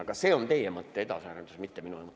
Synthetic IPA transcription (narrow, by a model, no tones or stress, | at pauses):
ɑɡ̥ɑse̞ːo̞nt̪e̞jemɤt̪ːee̞d̪ɑsæːɾend̪usmit̪ːeminulemɤˑ